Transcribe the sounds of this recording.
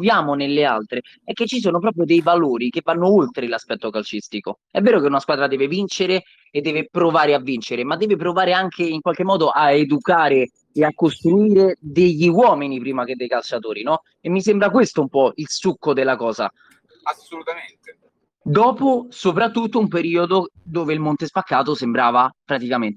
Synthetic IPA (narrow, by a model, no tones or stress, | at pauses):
vjaːmonelːea̰lt̪ɾe | ɛkːet͡ʃːis̬oːnopɾɔːpɾjod̪ejvaloːɾikevːanːoolt̪ɾelaspɛt̪ːokalt͡ʃist̪iko̰ | ɛvːɛːɾokeunaskwaːd̪ɾad̪ɛːvevint͡ʃeɾe | ed̪ːɛːvepɾovaːɾeavːint͡ʃeɾemad̪ːɛːvepɾovaːɾeaŋkʰeiŋkwalk̟emːɔːd̪oʔaed̪ukaːɾe | eakːost̪ɾuiːɾed̪eʎːiwɔːminipɾiːmak̟ed̪ːejkalt͡ʃat̪oːɾinɔ | emːisembɾakwest̪oumpɔilsukːod̪elːakɔːza̰ | asolut̪aent̪e | d̪ɔːposopɾat̪ːut̪ːoumpeɾiːod̪od̪oːveilmont̪espakːaːt̪osembɾaːvapɾat̪ikament̪